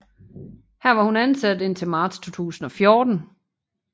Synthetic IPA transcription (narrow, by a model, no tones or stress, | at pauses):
hæɐ̰ʋɑ̈hunænsæd̥e̝n̰t͡sʰe̝lmɑ̈ːd̥st͡sʰo̝̰ːt͡sʰṵːsn̩ɒ̽fjoːd̥n̩